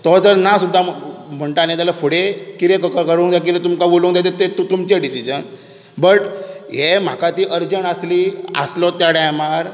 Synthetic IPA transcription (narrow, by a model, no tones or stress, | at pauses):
t̪ɔt͡səɾnasud̪ʱːam̤əɳʈ̪anet̪alafoɽekiɾẽkkəɾkəɾuŋd̪ak̬it̪ẽt̪̬umkaboluŋd̪jat̪̬et̪et̪t̪umt͡ɕeɖisid͡ʑən | bəʈɦem̤akat̪iːʔəɾd͡ʑənəsliə̰slɔt̪jaɽajmaɾ